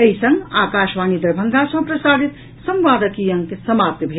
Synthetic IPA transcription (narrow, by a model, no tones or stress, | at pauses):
əisə̃ŋɡa̰ːkaʃʋaːnid̪əɾbʱəŋɡ̪asə̃ɦpɾəsad̪it̪ | sə̃mʋaːd̪əkijəŋkesəmap̚t̪əbʱe